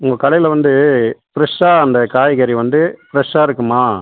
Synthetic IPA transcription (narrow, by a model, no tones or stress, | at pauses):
ʊŋɡɐkɐɭɐjɪlɐʋɐnd̪ɯpɪɾɐʂaːɐnd̪ɐkaːjɪɣɐɾiʋɐnd̪ɯpɪɾɐʂaːɪɾɯkːɯmaː